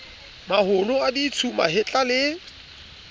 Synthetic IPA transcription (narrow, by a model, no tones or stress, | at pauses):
mahʊlʊadit͡sʰuma̰hɪt͡ɬʼalɪ